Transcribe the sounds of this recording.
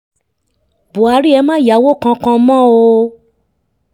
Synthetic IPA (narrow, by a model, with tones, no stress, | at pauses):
bo˨a˨˦ɾi˦ɛ˧mã˦˨ja˨˦wo˦˨kã˧˦kã˧˦mɔ̃˦o˧